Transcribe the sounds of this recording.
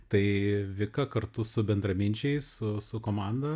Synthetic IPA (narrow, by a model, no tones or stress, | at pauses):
t̪ɐɪʋʲɪkɐkɐrt̪ʊsʊbʲɛnd̪ɾɐmʲɪnʲt͡ʃʲɛɪssʊsʊkoːmɑnd̪ɐ